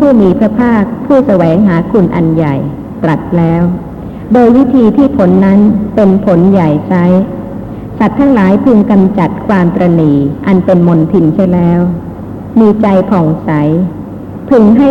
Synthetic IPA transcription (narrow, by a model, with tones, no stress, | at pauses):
pʰuː˥˩miː˧pʰɾɯ˦˥pʰaː˥˩k̚pʰuː˥˩sa˧wɛː˩˦ŋɦaː˩˦kʰu˧nʔa̰˧nja˨˩j | t̪ɾa˨˩t̪̚lɛː˦˥w | doː˧jwi˦˥t̪ʰiː˧t̪ʰiː˧˩pʰo˩˦nːa˦˥npe˧npʰo˩˦nja˨˩jsa˦˥j | sa˨˩t̪ʰːaː˦˥ŋlaː˩˦jpʰɯ˧ŋka˧mt͡ɕa˨˩t̪̚kʰwaː˧mt̪ɾa˧niː˨˩ʔa˧npe˧nmo˧nt̪ʰi˧nt͡ɕa˥˩jlɛː˦˥w | miː˧t͡ɕa˧jpʰɔ˨˩ŋsa˩˦j | pʰɯ˧ŋɦa˥˩